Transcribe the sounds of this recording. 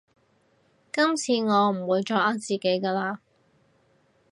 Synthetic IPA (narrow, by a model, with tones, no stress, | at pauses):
kɐ˥mt͡sʰiː˧ŋɔː˨˧m̩˨˩wuː˨˧jt͡ʃɔː˧kʔaː˧˥t͡siː˨ke˨˥jkɐː˧laː˧